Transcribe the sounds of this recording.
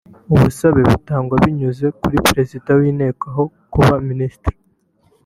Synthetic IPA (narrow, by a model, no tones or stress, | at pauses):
uβusaβe̞βutaːŋɡwaβiɲuze̞kuɾipɾe̞zidawiːne̞ːkaɦo̞ | kuβaminisi̥tɾi̥